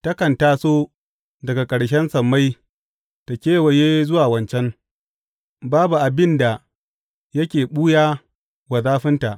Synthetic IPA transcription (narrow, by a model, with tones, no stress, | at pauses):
tɐ˦kɐ˨ntaː˦soː˦ | dɐ˨ɡa˨kʼɐ˨ɽʃ̬ɛ˦nsɐ˨mːa˦j | ta˨kʲeː˦wa˨jeː˦zʊ˦waː˨wɐ˦nt͡ʃɛ˦ŋ | baː˦bu˨ʔa˨bɪ˦nda˨ | jɐ˦kʲeː˨ɓu˦jaː˦ | wɐ˨zaː˦ɸɪ˦nta˨ʔ